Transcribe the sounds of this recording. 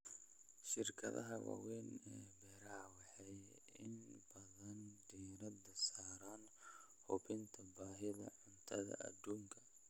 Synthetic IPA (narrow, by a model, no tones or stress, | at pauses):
ʃɪrkʰɐðɐ̰ɦɐwɑ̰wɛːnɛːbɛɾawɑħɑj | ɪnbɐðɐnd̪iːɾɐd̪ɐsaːɾaːn | hʊβɪnt̪ʰɐbaːɦɪðɐ̰ʕʊnt̪ʰɐðɐ̰ʔɐ̰d̪uːŋkʰɐ̥